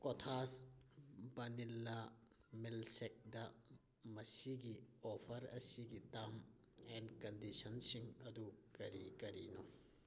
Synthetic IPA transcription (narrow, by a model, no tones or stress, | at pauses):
kotʰas | bɐnilːɐ | milsek̚dɐ | mɐsiɡiopʰɐɾɐ̰siɡitam | enkɐndisɐnsiŋɐdukɐɾikɐɾḭno